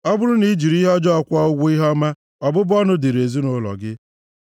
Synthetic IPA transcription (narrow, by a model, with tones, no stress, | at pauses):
ɔ˦bʊ˦ɾʊ˦ni˦d͡ʒi˨ɾi˦ɦɔ˦d͡ʒɔ˦ɔ˦˨kʷɔ˦ʊ˦ɡʷu˦i˦ɦɔ˦ma˦ | ɔ˨bʊ˦bɔ˦nʊ˦di˨ɾe˨zi˦nʊ˦lɔ̰˨ɡɪ˦